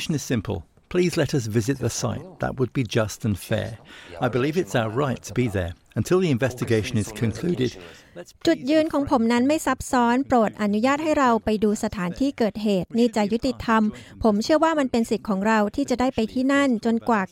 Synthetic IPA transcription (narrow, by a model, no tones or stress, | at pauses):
ʃnɨz̥sɪ̃mpʰə̰l̩ˠ | pʰl̥izlɛɾʌs̬vɪzɨt̪̚ðəsa̰ɪt̪̚ðə̰ʔ̚wəd̚bid͡ʒʌstɨ̃n̩fɛ̰ɹaɪbɨlivɨtsaʊəɹaɪtʰəbiðə̰˞ | ə̃ntʰɪlˠðiɨ̃ɱvɛstɨɡeɪʃɨ̃nɨz̥kʰɨ̃nkʰl̥ʉɾɪd̥ | t͡ɕut̪̚jɯːnkʰɔːŋpʰomnanmajsap̚sɔːnpɾoːt̪̚ʔanujaːt̪̚hajɾawpajduːsat̪ʰaːnt̪ʰiːkɤːt̪̚ɦeːt̪̚niːt͡ɕaʔjut̪it̪ʰːampʰomt͡ɕʰɯəwaːmanpensit̪̚kʰːɔːŋɾawt̪ʰiːt͡ɕadaːjpajt̪ʰiːnant͡ɕonkwaː